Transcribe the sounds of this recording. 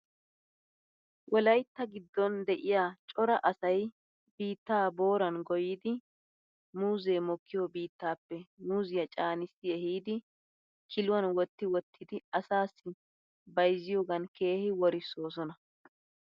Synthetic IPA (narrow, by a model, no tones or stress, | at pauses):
wʔɔlɐjt̪ːɐɡɪd̪ːɔnd̪ɛʔɪjaːt͡ʃʼɔɾɐʔɐsɐj | biːt̪ːaːbo̞ːɾɐnɡɔjɪːd̪ɪ | muːzeːmɔkːɪjobiːt̪ːaːpːɛmuːzɪjɐt͡ʃʼaːnɪsɪɛhiːd̪ɪ | kʰɪlʊwɐnwɔt̪ːɪwɔt̪ʰːɪd̪ɪɐsaːsːɪ | bɐjzɪjoːɡɐnke̞ːhɪwɔɾɪsːo̞ːs̬ɔnɐ